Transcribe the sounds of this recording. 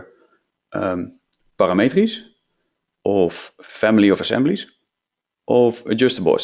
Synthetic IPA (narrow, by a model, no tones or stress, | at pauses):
ʔə | paramejtris | ʔɔfːɛmɪliɔfasɛ̰mblis | ʔɔfəd͡ʒəstəbɔ̰s